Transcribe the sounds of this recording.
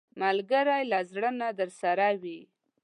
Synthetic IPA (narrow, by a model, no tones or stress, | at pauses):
malɡaɾajlazɽənad̪əɾsaɾawi